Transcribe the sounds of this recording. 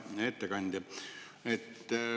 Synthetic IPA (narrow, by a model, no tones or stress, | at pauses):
et̪ːekɑnʲd̪̥ʲi | et̪ː